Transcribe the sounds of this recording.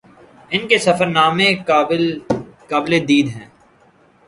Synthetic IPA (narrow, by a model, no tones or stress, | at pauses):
ɪnkesɐfəɾnaːme | kaːbled̪iːd̪ɦɛ̃ː